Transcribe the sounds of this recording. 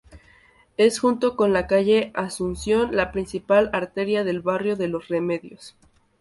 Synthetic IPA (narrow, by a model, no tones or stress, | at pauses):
e̞sxunt̪o̞ko̞nlakaʝe̞asunsjo̞nlapɾinsipalaɾt̪e̞ɾjaðe̞lβarjo̞ðe̞lo̞sreme̞ðjos